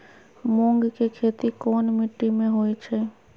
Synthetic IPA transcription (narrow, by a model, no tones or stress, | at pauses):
mõŋɡkekʰeːt̪ikoːnmɪʈːimẽɦoːit͡ʃʰɛː